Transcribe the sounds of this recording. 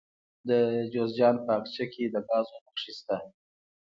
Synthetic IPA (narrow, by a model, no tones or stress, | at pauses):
d̪əd͡ʒozd͡ʒɑnpəakt͡ʃakʰed̪əbɑzomaχʂist̪a